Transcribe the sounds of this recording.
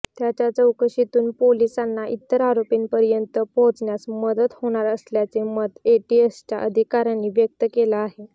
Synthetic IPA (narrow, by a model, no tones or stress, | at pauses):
t̪jat͡ɕjat͡səwkəɕit̪uːnpolisanːaʔit̪ːəɾaɾopiːnpəɾjənt̪əpõt͡sɳjasməd̪ət̪hoɽ̃aɾəsljat͡semət̪eʈiest͡ɕa̰ʔəd̪ʱikaɾanːiːʋjək̚t̪əkelaaɦe